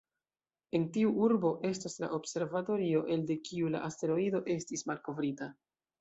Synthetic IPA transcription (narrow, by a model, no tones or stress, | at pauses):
e̞ntiuʔuɾbo̞ʔe̞stasla̰ʔo̞bse̞ɾvato̞ɾio̞ʔe̞lde̞kiula̰ʔaste̞ɾo̞ido̞ʔe̞stismalko̞vɾita